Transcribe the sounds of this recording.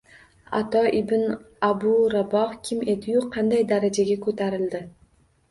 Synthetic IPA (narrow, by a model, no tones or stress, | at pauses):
a̰t̪ɒʔɪbɪn | abʊɾabɒhkʲʰɪme̞d̪ɪjuqʰːɑnd̪ajd̪aɾad͡ʒaɡʲakʰɵt̪ʰaɾɪld̪ɪ